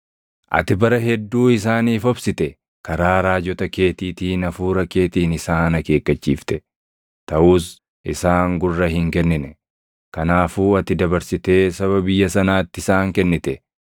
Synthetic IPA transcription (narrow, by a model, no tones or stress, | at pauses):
ʔɐ̰t̪ɪbɐɾɐɦɛd̪ːuːɪs̬aːniːfɔbsɪt̪ɛ | kɐɾaːɾaːd͡ʒɔt̪ɐke̞ːt̪iːt̪iːnɐfuːɾɐke̞ːt̪iːnɪsaːnɐke̞ːkːɐt͡ʃːḭːft̪ɛ̥ | t̪ɐʔuːs | ʔɪsaːŋɡʊrːɐhɪŋkɛnːɪnɛ | kɐnaːfuːɐt̪ːɪd̪ɐbɐɾsɪt̪e̞ːsɐβɐbɪjːɐsɐnaːt̪ːɪsaːŋkɛnːɪt̪ɛ